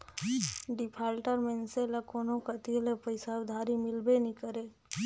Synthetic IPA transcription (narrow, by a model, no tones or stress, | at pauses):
ɖɪpʰaːlʈəɾmenselakoːnõkət̪ilepəɪsawd̪ʱaːɾimɪlbenĩkəɾe